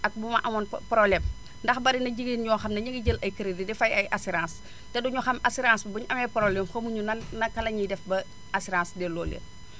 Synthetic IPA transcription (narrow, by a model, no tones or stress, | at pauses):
ɐk̚bumɐʔɐmɔnpɾolɛm | ndɐxbɐɾinɐɟiɡiːnɲɔːxɐmnɐɲɐɡiɟəlɐjkəɾididɛfɐjɐjʔasiɾãːs | tɛduɲuxɐmasiɾãːsbbuɲʔɐmɛpɾolɛmxomuɲunɐnnːɐkɐlɐɲidɛfbɐ | ɐsiɾãːsdɛlɔːlḛt